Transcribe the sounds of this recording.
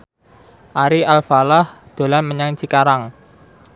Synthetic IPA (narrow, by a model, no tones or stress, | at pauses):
ʔaɾiʔalfalahd̪̥o̤lanməɲaŋt͡ʃikaɾaŋ